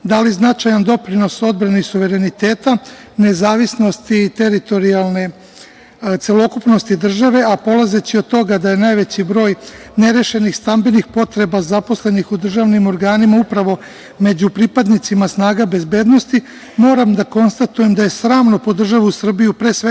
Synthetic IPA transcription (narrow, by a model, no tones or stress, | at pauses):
d̪aliznat͡ʃajand̪o̞pɾino̞so̞d̪̚bɾanisuʋe̞ɾe̞nit̪e̞ːt̪a | ne̞zaːʋisno̞st̪it̪e̞ɾit̪o̞ɾialˠne̞ | t̪se̞lo̞kupno̞st̪id̪r̩ʒaʋe̞apo̞lˠaze̞t͡ɕio̞d̪̚t̪o̞ɡad̪aje̞naːjʋe̞t͡ɕibɾo̞ːj | ne̞ɾe̞ʃe̞nixst̪ambenixpo̞t̪ɾe̞bazapo̞sle̞nixud̪r̩ʒaʋnimo̞ɾɡaːnimaupɾaʋo̞ | me̞d͡ʑupɾipad̪nit̪simasnaːɡabe̞zbe̞ːd̪no̞st̪i | mo̞ːɾamd̪ako̞nst̪at̪uje̞md̪aje̞sɾaːmno̞po̞d̪r̩ʒaʋusr̩bijupɾe̞ːsʋe